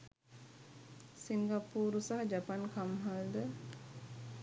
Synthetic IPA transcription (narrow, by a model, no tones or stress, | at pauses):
siŋɡapuːɾusaɦad͡ʒapankamɦald̪ə